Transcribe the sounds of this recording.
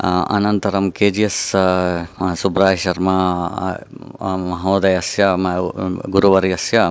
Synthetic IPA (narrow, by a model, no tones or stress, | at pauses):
ɐ̰nɐnt̪ɐɾɐmkeːd͡ʒijɐs | subɾaːjʃɐɾmɐ | mɐɦoːd̪ɐjɐsjɐmɐɡuɾuʋɐɾiɐsjɐ